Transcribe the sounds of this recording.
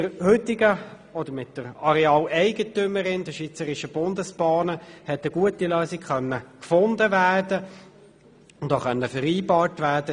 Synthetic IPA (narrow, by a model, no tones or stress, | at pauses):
dəɾhʏtːɪɡə | ɔd̥əɾmɪt̚d̥əɾɑɾɛɑːlɛɪɡətʏməɾɪndəʃʋit͡səɾɪʃəb̥ʊndəsbɑːnəhɛt̪əɡ̥uətiløːsikχœnːəkfʊndəʋæːrd̥ə | ʊndoːχœnːəfəɾiːbɑːtʋæːɾdə